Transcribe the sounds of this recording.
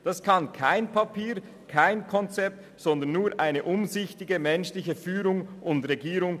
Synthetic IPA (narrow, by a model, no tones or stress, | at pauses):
d̥ɑskʰɑnkʰaɪnpʰapʰiːʁ | kʰaɪnkʰɔnt͡sɛp̚t | z̥ɔnd̪əɐnːuːɐɾʔaɪnəʔʊmzɪçtɪɡəmɛnʃlɪçəfyːɾʊŋʔʊndʁeɡiːɾʊŋ